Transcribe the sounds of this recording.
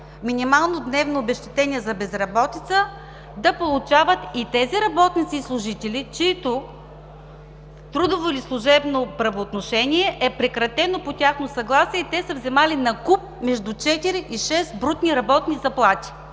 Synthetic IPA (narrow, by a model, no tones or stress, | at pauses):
minʲimalˠnod̪nɛvnoːbɛʃt̪ɛ̥t̪ɛnʲiɛzɐbɛzɾɐbɔt̪it̪sə | d̪ɐpolˠʊt͡ʃavət̪it̪ɛziɾɐbɔt̪nʲit̪siːslˠʊʒit̪ɛlit͡ʃiit̪o | t̪ɾud̪ovoilislˠʊʒɛbnopɾɐvoːt̪noʃɛnʲiɛʔɛpɾɛkɾɐt̪ɛnopot̪ʲaxnosɐɡlˠasiɛit̪ɛsəvzɛmalinɐkup̚mɛʒd̪ut͡ʃɛt̪iɾiʔiʃɛsbɾut̪niɾɐbɔt̪nizɐplˠat̪ʲi̥